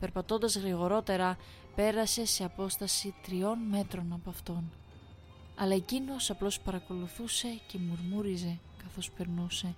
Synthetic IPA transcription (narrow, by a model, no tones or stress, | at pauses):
pe̞ɾpɐt̪o̞nd̪ɐzɣɾiɣo̞ɾo̞t̪e̞ɾɐ | pe̞ɾɐse̞se̞ɐpo̞st̪ɐsit̪ɾio̞nme̞t̪ɾo̞nɐpoɐft̪o̞n | ɐlɐe̞cino̞sɐplo̞spɐɾɐko̞luθuse̞ce̞muɾmuɾize̞ | kɐθo̞spe̞ɾnuse̞